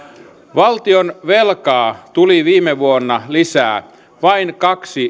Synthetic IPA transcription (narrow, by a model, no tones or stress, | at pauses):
ʋɑlt̪ionʋelkɑːt̪uliʋiːmeʋuonːɑlisæ̰ː | ʋɑinkɑksi